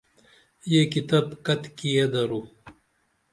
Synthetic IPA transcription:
jekit̪abkɐt̪kijed̪ɐɾu

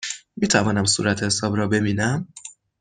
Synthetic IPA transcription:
miːt̪ʰævɒːnæmsṵːɾæt̪ʰhesɒːbɾɒːbe̞biːnæm

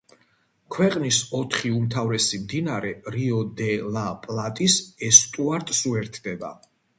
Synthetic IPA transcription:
kʰwɛqʼnisɔt̪ʰχiumt̪ʰavɾɛsimd̪inaɾɛɾiɔd̪ɛlˠapʼlˠat̪ʼisɛst̪ʼuaɾt̪ʼsuɛɾt̪ʰd̪ɛba̰

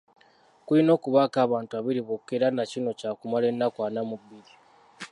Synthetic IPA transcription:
kuino̞ːkuβakaːβaːntuaβiɾiβokːeɾanacino̞caːkumale̞nːakwaːnamubːiɾi

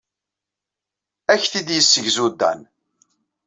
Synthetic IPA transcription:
æçθid̪jəsːəʝzud̪ːæ̰n

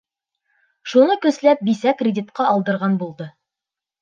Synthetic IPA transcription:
ʃunɤkɵ̆slæp̚bisækrʲɪdʲit̪̚qɑʔɒlˠd̪ɤ̆ɾʁɑnbulˠd̪ɤ

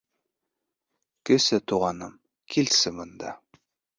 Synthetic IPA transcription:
kɘ̆sɘt̪uʁɑnɤm | kʰilsɘmɤ̆nd̪ɑ

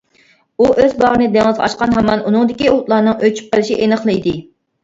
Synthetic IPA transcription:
uʔøzbɑʁənɨd̪ɛŋəzʁɑʃqɑnɦɑmɑnʔunɨŋd̪ɪkʲiot̪lˠɑɾnɨŋøt͡ʃʰy̥p̚qəlˠɪʃiʔenəχlˠɨid̪ɪ

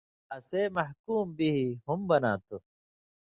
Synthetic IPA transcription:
ɐseːmɐhkuːmbiɦiɦumbɐna̰ːt̪u

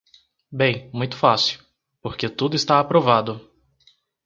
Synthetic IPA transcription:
bẽj̃mũj̃t̪ʊ̥fasiʊw | poɾket̪ud̪ʊist̪aapɾovad̪ʊ

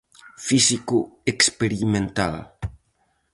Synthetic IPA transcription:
fisikuekspeɾimẽnt̪aða̰

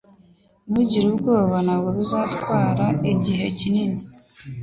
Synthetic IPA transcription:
muɟiɾuβɡoːβanaweβuzatwaːɾaeɟiɦecinini

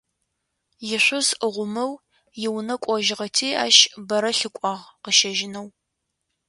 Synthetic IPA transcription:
jɪɕʷʊzəʁʷʊmɨw | jɪwnɐkʷʼɔʒɪʁɐtʰiːa̰ːʃbɐɾɐɬɨkʷʼɑːʁqəʃɐʒɪnɐw

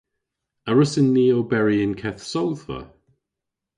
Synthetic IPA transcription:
əɹʊsɪnːiːobɛɹiɪnkʰɛθsowðvə̰

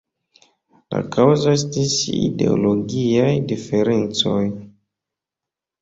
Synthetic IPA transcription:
la̰kʰawzoestisḭde̞̰o̰loɡiajdife̞ɾent͡so̞j

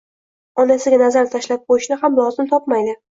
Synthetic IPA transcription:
ɒnasɪɡʲanazaɾt̪ʰaʃlap̚qʰojɪʃnɪhamlˠɒzɪmt̪ʰɒpmajd̪ɪ

